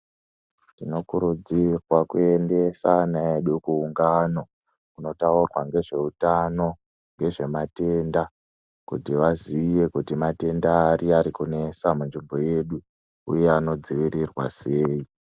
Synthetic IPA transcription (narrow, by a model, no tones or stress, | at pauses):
tino̞kuɾud͡zirwakue̞nde̞sanaeɗukuːŋɡano̞ | kuno̞taurwaŋɡe̞ʐe̞utano̞ | ŋɡe̞ʐe̞mate̞nda | kutiʋaziiʋe̞kutimate̞ndaːɾiaɾikune̞samunʐimbo̞je̞ɗu | ṵje̞ano̞d͡ziʋirirwa̰se̞ːi